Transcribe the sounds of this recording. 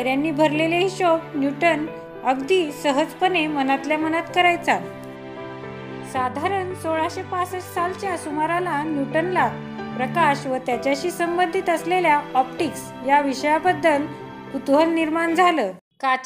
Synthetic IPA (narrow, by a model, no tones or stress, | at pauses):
ɾjanːiːbʱəɾleleɦiɕobnjuʈən | əɡd̪iːsəɦəd͡zpənemənat̪ljamənat̪kəɾajt͡sa | sad̪ʱaɾənsoɭaɕepasət͡ssalt͡ɕjasumaɾalanjuʈənla | pɾəkaɕʋət̪jat͡ɕjaɕiːsəmbənd̪ʱit̪əsleljaɔpʈiks | jaʋiɕəjabəd̪ːəl | ut̪ɦəlniɾmaɳd͡zʱaləː | ka